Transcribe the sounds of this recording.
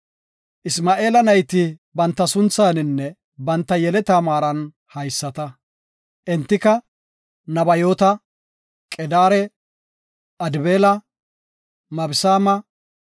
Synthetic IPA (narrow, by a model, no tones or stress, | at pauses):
ʔɪsmaːʔe̞ːlɐnɐjt̪ɪbɐnt̪ːɐsʊnt͡saːnɪnːɛ | bɐnt̪ːɐjɛlɛt̪aːmaːɾɐn | hɐjsːɐt̪ɐ | ʔɛnt̪ːɪkɐ | nɐbɐjoːt̪ɐ | kʼɛd̪aːɾɛ | ʔɐd̪ɪbeːlɐ | mɐbɪsaːmɐ